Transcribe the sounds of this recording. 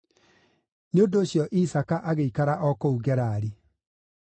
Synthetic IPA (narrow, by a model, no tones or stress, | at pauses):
neondoːɕjɔʔisakaʔaɣeikaɾaʔɔkouɣɛɾaːɾe